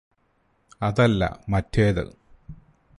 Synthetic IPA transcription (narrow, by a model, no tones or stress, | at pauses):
ɐðɐlːɐ̰mɐtʰːeːðɨ̰